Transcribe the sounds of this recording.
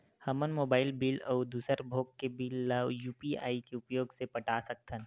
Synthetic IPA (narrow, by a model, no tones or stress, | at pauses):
hɐmənmoːbaːɪlbiːlɔːd̪uːsəɾbʱoːkːebiːlːaːwjuːpia̰ːikeʊpjoːɡsepɐʈasɐk̚t̪ʰən